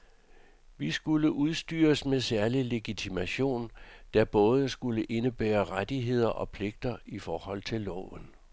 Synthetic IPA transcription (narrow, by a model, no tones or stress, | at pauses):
ʋisɡ̥uləʔuð̞ˠsd̥y̰ːɐsmesæɐlile̝ɡ̥it͡sʰimæɕo̝̰ːnd̥æb̥ɔ̽ːð̞ˠsɡ̥uləʔe̝nəb̥ḛːɐʁad̥iɦe̝ð̞̰ˠɐʔɒ̽pʰle̝ɡ̥̚d̥ɐifɒːhɒ̽l̰t͡sʰe̝lːɒʊən